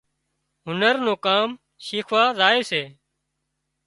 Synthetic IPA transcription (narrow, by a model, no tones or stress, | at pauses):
ɦʊnəɾnõːkaːm | ʃiːkʰʋaːzaːeːseː